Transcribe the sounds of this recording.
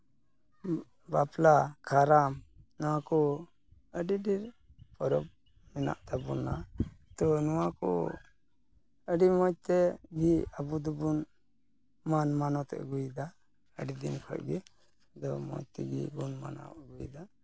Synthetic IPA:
baplakʰaɾamnɔwakɔ | əɖiɖiɾpɔɾɔp̚ | mɛna̰ʔt̪abuna̰t̪ɔnɔwakɔ̰ | əɖimɔjt̪ɛɡiabud̪ɔbun | manmanɔt̪ɛ̰ʔɡujd̪a | əɖid̪inkʰə̰ʔ̚ɡi | d̪ɔmɔ̰t̪ɛ̰ɡḭbunma̰na̰ɡujd̪a

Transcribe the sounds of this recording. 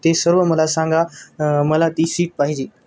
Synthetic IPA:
t̪esəɾʋəməlasãŋɡaməlat̪iːsiːʈ̚paɦid͡ʑiː

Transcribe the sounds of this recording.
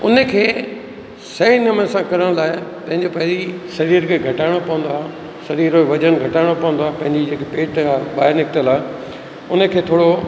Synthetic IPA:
ʊ̰nəkʰeː | sɐinəmənsãkɐɾəɽ̃laːɪt̪ɐ̃ɦɪ̃ɲd͡ʑepɐɦd͡ʑisɐɾiːɾkʰeːɡʱɐʈaːɪɽ̃opɐ̃ʋə̃nd̪oaː | sɐɾiːɾoʋɐd͡ʑənɡʱɐʈaːɪɽ̃opɐ̃ʋə̃nd̪oaːɦpɐ̃ɦɪ̃ɲd͡ʑid͡ʑeːkepeːʈabaːɦɪɾnɪkʰt̪əlaːɪ | ʊnəkʰeːt̪ʰoːɽo

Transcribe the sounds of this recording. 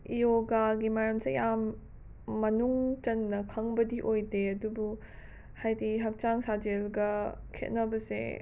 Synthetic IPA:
ijoɡaɡimɐɾɐmsejamː | ɐnuŋt͡ʃɐnːɐkʰɐŋbɐdiʔojdeɐdubu | hajdiɦɐk̚t͡ʃaŋsad͡ʒelɡɐkʰḛt̚nɐbɐsḛ

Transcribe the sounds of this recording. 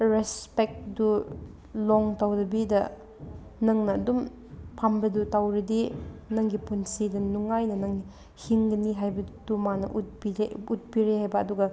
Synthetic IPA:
ɾespek̚du | loŋtawdɐbidɐ | nɐŋnɐːdum | pʰambɐdutawɾɐdinɐŋɡipunsidɐnuŋajnɐnɐŋ | hiŋɡɐniɦajbɐdumanɐʔut̚biɾeut̚biɾehajbɐːduɡɐ

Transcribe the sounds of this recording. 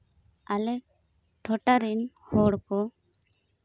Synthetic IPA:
alɛ | ʈʰɔʈaɾin | hɔɽkɔ

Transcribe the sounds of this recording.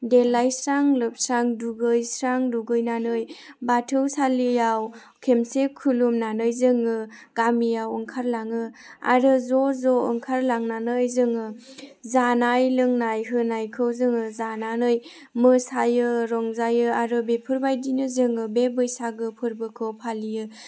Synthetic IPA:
delajsɾaŋlɯp̚sɾaŋduɡɯjsɾaŋduɡɯjnanɯjbatʰɯwsalijaw | kʰemsekʰulumnanɯjzɯŋɯ | ɡ̥amijawɯŋkʰaɾlaŋɯa̰ɾɯzɔzɔɯŋkʰaɾlaŋnanɯjzɯŋɯ | zanajlɯŋnajɦɯnajkʰɯwzɯŋɯzananɯj | mɯsajɯɾɔŋzajɯaɾɯbepʰɯɾbajdinɯzɯŋɯbebɯjsaɡɯpʰɯɾbɯkʰɯwpʰalijɯ

